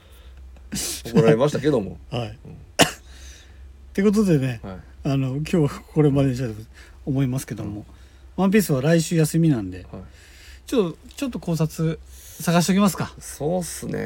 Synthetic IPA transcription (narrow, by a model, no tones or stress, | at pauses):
okɾaɾemaɕi̥t̪ake̞d̪o̞mo̰hai | t̪e̞kot̪̬o̞d̪e̞ne̞ | ano̞k̬ʲo̞ːβako̞ɾe̞mad̪eĩɕt̪at̪ | omo̞imasɨ̥ke̞d̪o̞mo̞ | βãmp̬ʲiːsɨβaɾaiɕɨːjasɨmʲinãnd̪e̞ | t͡ɕot̪ːot͡ɕo̞t̪ːo̞ko̞ːs̬at͡sɨ | saɡaɕ̬it̪eo̞kʲimasɨ̥kasoːsɨnḛ